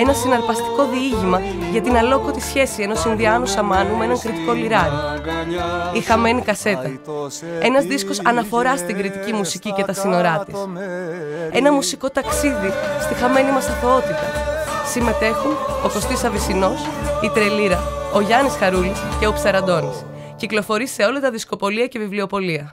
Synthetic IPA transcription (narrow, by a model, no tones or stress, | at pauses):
e̞nɐsinɐɾpɐst̪i̥ko̞ðiiʝimɐ | ʝɐt̪inɐlo̞kot̪isçe̞sie̞no̞sinðiɐnusɐmɐnumenɐŋkɾit̪iko̞liɾɐɾi | ixɐme̞nikɐse̞t̪ɐ | e̞nɐzðisko̞sɐnɐfo̞ɾɐst̪iŋɡɾit̪icimusicice̞t̪ɐsino̞ɾɐt̪is | e̞nɐmusiko̞t̪ɐksiðist̪ixɐme̞nimɐsɐθo̞o̞t̪it̪ɐsime̞t̪e̞xuno̞ko̞st̪isɐvisino̞sit̪ɾe̞liɾɐo̞ʝɐnisxɐɾulisce̞opsɐɾɐd̪o̞nis | ciklo̞fo̞ɾise̞o̞lɐt̪ɐðisko̞po̞liɐce̞vivlio̞po̞liɐ